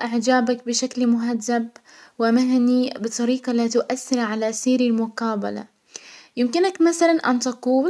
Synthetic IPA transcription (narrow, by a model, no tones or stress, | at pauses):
ʔɪʕd͡ʒaːbak̚bɪʃaklmʊɦadːab | wɪmaɦnibɨt̪ˤɑɾiːqɑlat̪ʊʔaθːɪɾʕalasiːɾɪlmʊqaːba̰la̰ | jɪmkɪnakmaθalanʔa̰nt̪ɑquːl